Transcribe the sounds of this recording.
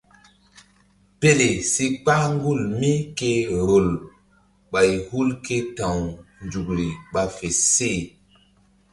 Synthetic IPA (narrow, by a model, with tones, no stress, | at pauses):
pe˦le˨si˦k͡pa˦ŋ˦ɡu˦˨lmi˦ke˦ɾo˨l | ɓa˨jhu˦lke˦tã˨wnd͡ʒu˨kɾi˨ɓa˨fe˨se˦˨